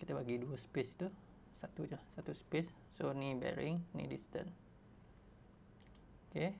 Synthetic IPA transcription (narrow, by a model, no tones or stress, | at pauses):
kit̪əbaɡiduəspest̪u | sat̪ud͡ʒsat̪uspes | sonibɛ̰ɾɪŋnḭdist̪ə̰n | oke